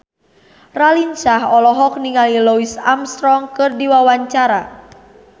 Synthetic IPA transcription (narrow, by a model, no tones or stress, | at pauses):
ralinsaɦɔlɔɦɔk̚niŋalilɔisamst̪ɾɔŋkɨrdiwawaɲt͡ʃaɾa